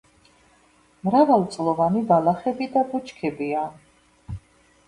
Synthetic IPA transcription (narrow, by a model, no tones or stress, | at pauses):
mɾavalˠt̪sʼlˠɔvanibalˠaχɛbid̪abut͡ʃʰkʰɛbian